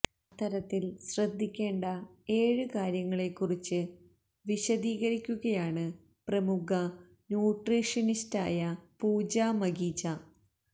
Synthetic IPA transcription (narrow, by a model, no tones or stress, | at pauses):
t̪ːɐɾɐt̪ːilɕrɐd̪ʱːikʲːe̞ːɳɖɐeːɻɨkaːɾjɐŋːɐɭe̞kːurit͡ɕːɨ | ʋiɕɐðiːɣɐɾikʲːuɣɐjaːɳɨ | prɐmukɐ | njuːʈriːʂɐnista̰ːjɐpuːd͡ʑaːmɐɡiːd͡ʑɐ